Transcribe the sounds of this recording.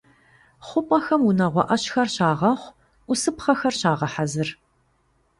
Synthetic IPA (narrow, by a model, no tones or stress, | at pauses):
χʷʊpʼɐxɐmunɐʁʷɔ̰ʔɐɕxɐrɕaːʁɐχʷ | ʔʷʊsɨpχɐxɐrɕaːʁɐħazɨr